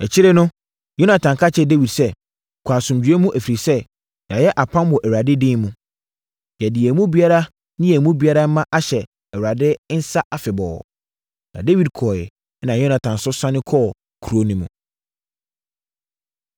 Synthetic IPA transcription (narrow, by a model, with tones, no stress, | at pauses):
ɛ˨t͡ɕʰɪ˦ɾɪ˦nʊ̃˦ | jo˦nã˨tʰã˨ŋ˨kʰa˦t͡ɕʰɛ˦de˦wi˨dsɛ˦˨ | kʷʰaː˨sʊ̃˨md͡ʑᶣɥɛ˦mũ˦ʔæ˨fi˨ɾi˨sɛ˦ | ja˨jɛ˦ʔa˨pʰã˦mwɔ˨ʔæ˨wa˨dɪ˦dɪ̃˦mũ˦ | jɛ˨dɪ˨ɛ˨mũ˦bi˨a˦ɾa˦ | nɪ̃˦jɛ˨mũ˦bi˨a˦ɾa˦mã˦ʔa˦ɕɛ˨ | ɛ˨ɾa˨dɪ˦n̩˦sa˦ʔa˨fɪ˨bɔː˨ | nã̰˨de˦wi˨d̚kʰɔ˨ɪ˨˦ | nã˨jɔ˦nã˨tʰã˨n˨sʊ˦sã˦nɪ̃˦kʰɔː˦˨ | kʰu˨ɾo˦nĩ˦mũ˨